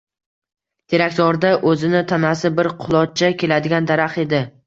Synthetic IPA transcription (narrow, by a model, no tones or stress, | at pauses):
t̪ʰeɾakʲt̪ɒɾd̪aʔɵzɪnɪt̪ʰanasɪbɪɾqʰʊlˠɒt̪̚t͡ʃʰakʲʰe̞lad̪ɪɡʲand̪aɾaχe̞d̪ɪ